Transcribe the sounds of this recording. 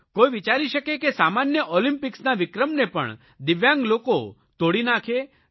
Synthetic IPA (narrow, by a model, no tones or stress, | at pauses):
kojʋit͡ʃaɾiʃəkekesamanjəʔɔlimpɪksnaʋɪkɾəmnepə̰ɳ | d̪iʋjãŋɡloko | t̪oɽinakʰe